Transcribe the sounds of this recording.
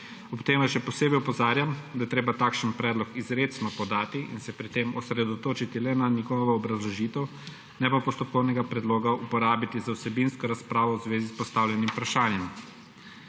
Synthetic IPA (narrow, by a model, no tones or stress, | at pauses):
ɔpt̪eːmʋaʃɛpɔseːbɛjupɔzaːɾjamd̪ajɛt̪ɾeːbat̪aːkʃənpɾɛːd̪lɔkizɾet̪snɔpɔd̪aːt̪iʔḭnsɛpɾit̪eːmɔsɾɛd̪ɔt̪oːt͡ʃit̪ilɛnaniɡɔʋɔɔbɾazlɔʒiːt̪ɛw | nɛpapɔst̪ɔp̚kɔwnɛɡapɾɛd̪loːɡaupɔɾaːbit̪izawsɛbinskɔɾaspɾaːʋɔwzʋeːzispɔst̪aːwlʲjɛnimpɾaʃaːnjɛm